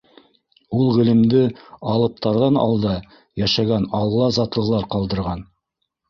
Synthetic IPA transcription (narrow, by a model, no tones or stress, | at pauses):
ulˠʁɘ̆lɘ̆md̪ɘɑlˠɤ̆p̚t̪ɑɾðɑnɑ̰lˠd̪ɑ | jæʃɑɡænɑlˠːɑzɑt̪lˠɤ̆ʁlˠɑɾqɑlˠd̪ɤ̆ɾʁɑn